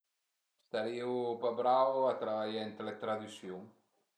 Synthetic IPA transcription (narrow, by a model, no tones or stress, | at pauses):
st̪aɾiupabɾavoat̪ɾaβaʎaent̪let̪ɾaðysjuŋ